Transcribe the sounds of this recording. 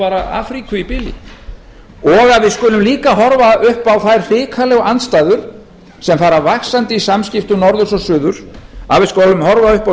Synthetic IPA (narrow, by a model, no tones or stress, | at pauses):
aːɾaa̰ːfɾikʏipɪlḭ | ɔɣaðvɪðskʏːlʏmliːkaɦɔɾvaʏhpawθajɾr̥ɪːkʰalɛɣanst̪aːjðʏɾ̥ | sɛmfaːɾavaxsant̪ɪisamscɪft̪ʏnɔɾðʏsɔsʏːðʏɾ̥avɪðskowlʏmɦɔɾvaʏhpa